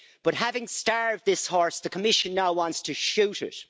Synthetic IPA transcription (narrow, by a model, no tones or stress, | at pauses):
b̥ʌt̚ɦævɪ̃ŋstɑɹv̚ðɪshɔɹsðɨkʰəmɪʃɨ̃nːaʊwɑ̃ntstʰɨʃʉɾɪ̰t̚